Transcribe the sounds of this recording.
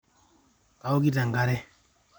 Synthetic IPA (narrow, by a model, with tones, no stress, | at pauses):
ka˨o˦ki˦ta˨ŋ˨ɡa˦ɾɛ˦